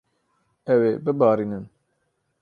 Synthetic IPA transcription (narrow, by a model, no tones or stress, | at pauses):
ɛweːbɨbɑːɾiːnɨn